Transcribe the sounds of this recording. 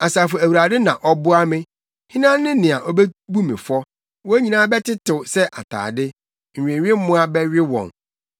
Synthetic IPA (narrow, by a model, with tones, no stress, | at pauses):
a˨saː˨fɔ˨æ˨wu˨ɾa˨dɪ˦nã˨ʔɔ˦bʊ˦a˦mɪ̃˦ | hɪ̃˦nã˦nɪ̃˦nɪ̃˨a˨ʔɔ˦bɛ˦bu˦mɪ̰̃˨fɔ˦ | wɔ˦æ˦ɲĩ˨nãː˦bɛ˦tʰɪ˦tɪ˨sɛ˦ʔa̰˨tʰa̰ː˨dɪ˦ | ŋ̩˨ɥᶣẽ˨ɥᶣɪ̃˦m˦mʊ̃˦a˦bɛ˦ɥᶣɪ˦wɔ̰̃˨n